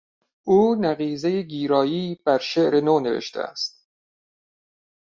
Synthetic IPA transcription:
ʔuːnæɣiːzejeɡiːɾɒːjiːb̥æɾʃeʔɾe̞noːne̞vḛʃt̪ʰḛæ̰st̪̚

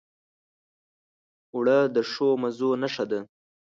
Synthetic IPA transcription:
wɽəd̪əʂomazonaʂad̪a

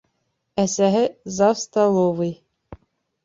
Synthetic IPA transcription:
æsæɦɘzɑwst̪ɑlˠovɤj

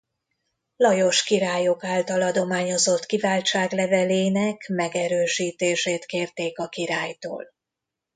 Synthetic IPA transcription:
lɒjo̞ʃkiɾaːjo̞kaːlt̪ɒlɒd̪o̞maːɲo̞zo̞t̪kivaːlt͡ʃaːɡlɛvɛleːnɛkmɛɡɛɾøːʃiːt̪eːʃeːt̪keːrt̪eːkɒkiɾaːjt̪o̰ːl

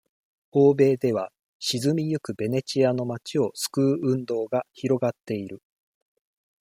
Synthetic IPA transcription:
o̞ːbe̞ːd̪e̞βa | ɕizɨmʲijɯ̟kɯ̟be̞ne̞t͡ɕiano̞mat͡ɕio̞sɨ̥kɯ̟ːɯ̟̃nd̪o̞ːɡaçiɾo̞ɡat̪ːe̞iɾɯ̟

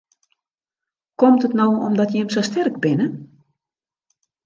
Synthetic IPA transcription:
kɔmtətnowɔmdɔtjɛmsostɛrɡbɪnə

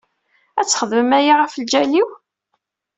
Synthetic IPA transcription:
æt͡sːχəðməmæjiʁəfld͡ʒæliw

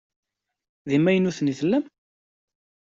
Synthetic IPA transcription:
ðimːæjənːuθniθlːæm

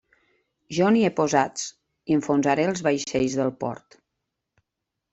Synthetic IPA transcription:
ʒɔniepozat͡s | iəɱfonzaɾeəlˠzβajʃejzðəlˠpɔ̰ɾt̪

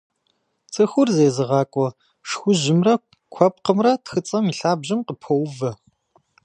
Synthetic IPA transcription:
t͡sʼɨxʷʊrzeːzɨʁɑːkʷʼɔ | ʂxʷʊʒɪmrɐ | kʷʰɐp̚qəmrɐtxɨt͡sʼɐmiɬaːbʑɪmqəpʰowvɐ

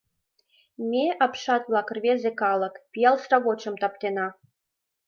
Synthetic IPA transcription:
mʲeʔɑpʃɑt̪ʋlˠɑk̆rβʲezʲekɑlˠɤ̆kpʲijɑlˠsrɑβot͡ɕɤ̆mt̪ɑpt̪enɑ

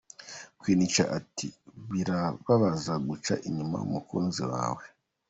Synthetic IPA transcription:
kwiːnit͡ʃa̰ʔatʰiβiɾaβaβazaɡut͡ʃa̰ʔiɲuma̰ṵmukuːnziwa̰ːwe

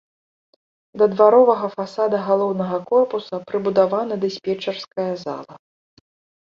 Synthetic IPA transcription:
d̪ɐd̪vaɾɔvɐɣɐfasad̪ɐɣalˠɔwnɐɣɐkɔrpusɐpɾɨbud̪avanɐd̪ɐsʲpʲɛt͡ʂɐrskɐjɐza̰lˠɐ

